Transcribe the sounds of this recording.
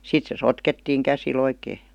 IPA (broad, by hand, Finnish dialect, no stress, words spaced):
sit se sotketːiːŋ kæsil oikeː